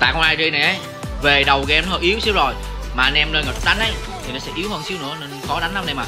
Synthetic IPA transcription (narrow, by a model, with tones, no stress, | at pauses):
t̪a̰ː˧˨xə˧ŋ͡mʔaː˧jzi˧na˨˩jʔə˨˦j | ve˨˩ɗə˨˩wɣɛ˨˧mn˦ə˧˩ʔi˨˦əwsi˨˦wzo˨˩j | maː˨˩ʔa˧nʔɛ˧mnəː˧nŋə˨˩ɗa˨˦n̟ʔə˨˦j | t̪ʰi˨˩nɔ˨˦sɛ̰˧˥ʔi˨˦əwhəː˧nsi˨˦wnɨ̰˧˥əne˧nxɔ˨˦ɗa˨˦ŋ̟na˨˦nɗe˧jmaː˨˩